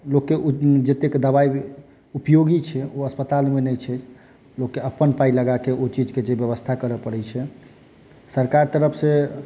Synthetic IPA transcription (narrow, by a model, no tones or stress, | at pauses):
lokːed͡ʒet̪ekd̪əβai | upjoɡit͡ʃʰɛoəspət̪almenɛjt͡ʃʰɛ | lokːeəpːənpailəɡakeʔot͡ʃid͡ʒked͡ʒebjəβəst̪ʰakəɾəpəɽɛt͡ʃʰɛ | səɾkaɾt̪əɾəpʰsẽ